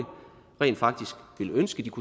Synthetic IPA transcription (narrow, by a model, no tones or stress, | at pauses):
ə | ʁɛ̰ːnd̥fɑ̈ɡ̥̚d̥isɡ̥ʋe̝lønsɡ̥əd̥ikʰu